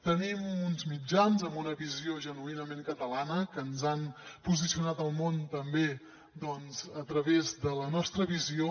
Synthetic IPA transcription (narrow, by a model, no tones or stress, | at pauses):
t̪ənimunzmid͡ʒanzəmbunəβizioʒənuinəmeŋkət̪əlanəkənzanpuzisiunat̪əlˠmont̪əmbe | d̪ɔnzət̪ɾəβezd̪ələnɔst̪ɾəβizio